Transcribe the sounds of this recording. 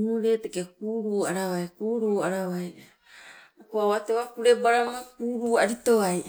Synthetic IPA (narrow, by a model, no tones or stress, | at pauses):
muɾe̞tekekuːɾuːaɾaβajkuːɾuːaɾaβaj | koaβateβakuɾe̞baɾaɾoɡakuːɾuaɾito̞aj